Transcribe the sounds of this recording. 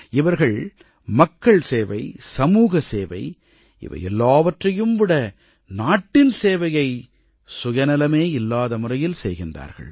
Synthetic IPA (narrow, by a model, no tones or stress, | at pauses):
ɪʋɐɾɣɐɭ | mɐkːɐɭseːʋɐɪsɐmuːɣɐseːʋɐɪ | ʔɪ̰ʋɐ̰jɛ̰lːaːʋɐʈrɐjɯmʋɪɽɐ | naːʈːɪnseːʋɐjɐɪ | sʊjɐnɐlɐmeːɪlːaːðɐmɯrɐjɪlsɛ̰jɣɪnda̰ːɾɣɐ̰ɭ